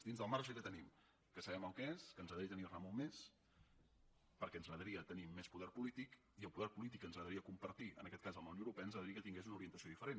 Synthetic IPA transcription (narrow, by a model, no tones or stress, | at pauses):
d̪inzðəlˠmaɾʒəkət̪ənim | kəsəβɛməlˠkɛeskənzəðɾiət̪əniramomes | pəɾkɛənzəðəɾiət̪ənimːɛspuðɛrpulit̪ik | iəlˠpuðɛɾpulit̪ikənzɣəðəɾiəkumpəɾt̪iə̰nəkɛt̪kazəlmləwnowɾupɛənzɣəðəɾiəkət̪iŋɡezunuɾiənt̪əsioðifəɾen